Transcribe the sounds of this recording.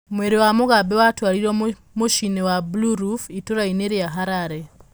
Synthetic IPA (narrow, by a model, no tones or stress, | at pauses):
mweɾewamuɣabewatwaːliɾo | muʃinewabuluɾufituɾaineːɾjaɦaɾaɾe